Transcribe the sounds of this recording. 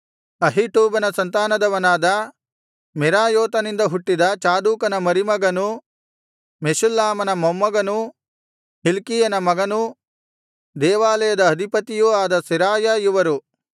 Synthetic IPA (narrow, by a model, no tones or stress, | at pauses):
ɐɦiʈuːbɐnɐsɐnt̪aːnɐd̪ɐʋɐnaːd̪ɐ | miɾaːjɔːt̪ɐnind̪ɐɦuʈːid̪ɐt͡ʃaːd̪uːkɐnɐmɐɾimɐɡɐnu | meʃulːaːmɐnɐmɐmːɐɡɐnu | hilkijɐnɐmɐɡɐnu | d̪ɛːʋaːlɐjɐd̪ɐːd̪ʱipɐt̪ijuaːd̪ɐsiɾaːjɐjuʋɐɾu